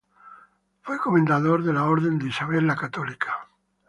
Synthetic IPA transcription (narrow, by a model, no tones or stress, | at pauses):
fwekomẽnd̪aðoɾðelaoɾðend̪isaβelːakat̪olikʰḁ